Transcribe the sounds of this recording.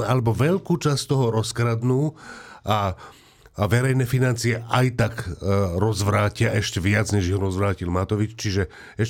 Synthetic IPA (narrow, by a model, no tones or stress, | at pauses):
alɛbɔʋɛʎkuːt͡ʃast̪ɔɦɔɾɔskɾad̪nuːʔa | ʋɛɾɛjnɛːfinant͡siɛʔajt̪akɾɔzʋɾaːcɪaʔɛʃcɛʋɪad͡zɲɛʒiɦɔɾɔzʋɾaːcilmat̪ɔʋit͡ʃt͡ʃiʒɛ | ɛʃ